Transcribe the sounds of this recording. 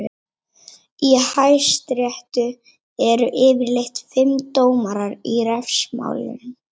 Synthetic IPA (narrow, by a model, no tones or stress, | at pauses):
ihajst̪ɾjɛht̪ʏ | ɛɾʏʔɪːvɪɾlejht̪fɪmt̪oːwmaɾaɾiɾɛfsma̰ːwlɪ̰n